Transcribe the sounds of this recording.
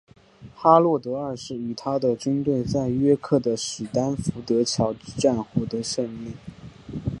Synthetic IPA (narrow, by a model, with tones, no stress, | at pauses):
xa˥lwɔ˥˩t̪ɤ˧˥ə˞˥˧ʂɻ̩˥˩y˨˩t̪ʰa˥d̪ə˨t͡ɕy˥nt̪we˥˧ɪt͡sa˥˩ɪɥɛ˥kʰɤ˥˩d̪ə˩ʂɻ̩˨˩t̪a˥nfu˧˥t̪ɤ˧˥t͡ɕʰjɑ˧˥ʊ˥ʈ͡ʂa˥˧nxɔ˥˩t̪ə˧˥ʂə˥˧nli˥˩ŋ